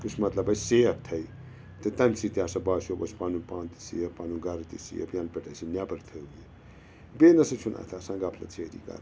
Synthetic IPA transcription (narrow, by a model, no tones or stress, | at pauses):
kut͡ʃʰmɐt̪lɐbɐsseːɐk̚t̪ʰɐi | t̪ɨt̪ɐnsit̪ʲjaːsɐbaːʃoːbɐt͡ʃpanupãːnt̪i̥siɐpaːnuɡɐɾɐt̪isḭjɐ̰pʰjɐnpʲeʈɐsinʲabɐɾt̪ʰəɡi | beːnɐsɐt͡ʃʰuna̰t̪ʰasɐ̃ŋɡaːpʰlɐ̰t͡sʰeːɾḭːka̰ɾ